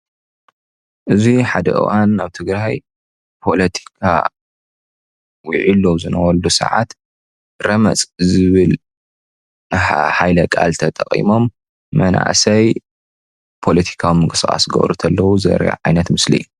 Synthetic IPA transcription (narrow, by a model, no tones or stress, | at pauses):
ʔɨziħad̪ɐʔɨ̰wʔanaβt̪ʰɨɡɾaj | pʰo̞lɐt̪ʰi̥kʰa̰ | wiʕilːozɨnɐwɐlːusɐ̰ʕat̪ | ɾɐmɐ̰t͡sʼzɨβɨl | ħajlɐkʼa̰lt̪ʰɐt̪ʼɐχʼḭmo̞mː | ɐna̰ʔsɐj | pʰo̞lɐt̪ʰi̥kʰawimɨŋkʼɨskʼa̰sɡɐ̰βɾut̪ʰɐlːɐwuzɐ̰ɾɐ̰ja̰ʕajnɐt̪mɨslḭ